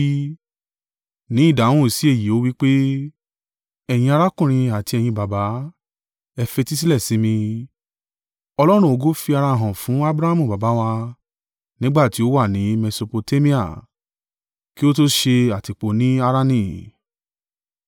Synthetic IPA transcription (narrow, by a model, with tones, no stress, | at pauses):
nĩ˨˦i˦˨dã˨ũ˦˨si˨˦e˦˨ji˨o˨˦wi˦k͡pe˦ | ɛ˧˨j̃ĩ˧a˧ɾa˦kũ˦˨ɾ̃ĩ˧a˨ti˧ɛ˧˨j̃ĩ˧ba˨ba˨˦ | ɛ˧fe˧ti˦s̬i˦lɛ˦˨sĩ˨˦mĩ˧ | ɔ˧lɔ˦ɾ̃ũ˦o˧ɡo˦fi˧a˧ɾa˧˨ɦɔ̃˨fũ˨˦a˦bɾa˦a˦mũ˦˨ba˨ba˨˦wa˧ | nĩ˦ɡ͡ba˦˨ti˨˦o˦wa˦˨nĩ˨˦me˧so˧po˧te˦mĩ˦a̰˦˨ | ki˦o˦to˦ʃe˧a˨ti˨k͡po˨˦nĩ˨˦a˧ɾa˦˧nĩ˦˨